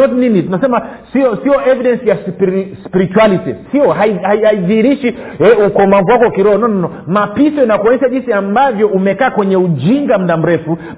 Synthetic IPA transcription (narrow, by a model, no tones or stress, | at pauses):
ɔtninitunasɛmasiɔsiɔʔɛviɗɛnsijaspiɾispiɾit͡ʃualitḭsiɔɦaihaihaiðiːɾiʃi | ɛukɔmavuwakɔkiɾɔɔnɔnɔnɔ | mapisɔinakuɔɲɛsaʄinsiambavjɔʔumɛkaːkwɛɲɛud͡ʒiŋɡam̩ɗam̩ɾɛfu